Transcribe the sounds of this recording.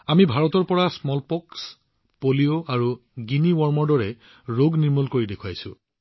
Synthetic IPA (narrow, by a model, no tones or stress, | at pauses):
amibʱaɹɔtɔɹpɔɹasmɔlpɔks | polioaɹu | ɡiniwɔɹmɔɹdɔɹɛ | ɹoɡniɹmulkoɹidekʰwajsʊ̰̃